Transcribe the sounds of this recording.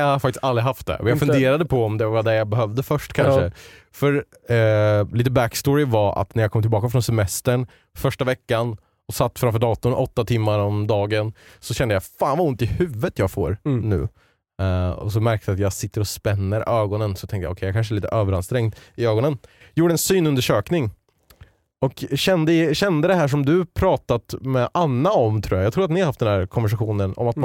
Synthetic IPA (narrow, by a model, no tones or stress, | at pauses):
jahaɾfak̚t̪ɪst̪ald̪ɾɪɦaft̪̚d̪ɛ̰ʔɔ̰mjaɡfɵnd̪eːɾad̪əpʰɔɔmd̪ɛvad̪ɛjabɛɦœvd̪əfœʂʈkʰanʂə | fœɾ | liːt̪əbækst̪oːɾɪvaa̰t̪næɾjakʰɔmt̪ʰɪlbɑːkafɾɔnsɛmɛst̪əɳ | fœʂʈavɛkːan | ɔsat̪ːfɾamfœːɖɑːt̪ʊnʔɔt̪ːat̪ʰɪmːaɾɔmd̪ɑːɡənsɔɕɛnd̪əjafaːnvaʊnt̪ɪhʉ̟ːvət̪jɑːɡfo̰ːɾnʉ̟̰ː | ɔ̰sɔmæɾkt̪əat̪jɑɡsɪt̪ːəɾɔspɛnːəɾøːɡɔnənsɔt̪ʰɛŋkt̪ja̰ːɔkʰɛɪjakanʂ̬əɛɭiːt̪ə̰ʔøːvəɾanst̪ɾɛŋd̪ɪøːɡɔnən | juːɖəɛnsyːnɵnd̪əʂøːknɪŋ | ɔkɕɛnd̪əɪɕɛnd̪əd̪ɛɦæːʂ̬ɔmd̪ɵpʰɾɑːt̪at̪mɛʔanːaɔmt̪ʰɾuːjajɑɡt̪ʰɾːɾat̪nɪhaɾhaft̪d̪ɛnæːɾkʰɔnvæʂ̬aɧuːnənɔ̰mat̪